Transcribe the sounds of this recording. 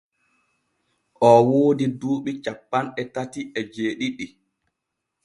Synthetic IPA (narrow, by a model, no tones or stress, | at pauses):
ʔɔwoːdiduːɓit͡ʃapːanɛtatiʔɛd͡ʒeːɗiɗi